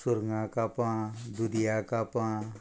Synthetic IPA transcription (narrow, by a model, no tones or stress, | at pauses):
sʊɾŋãkapãd̪ud̪ijakapã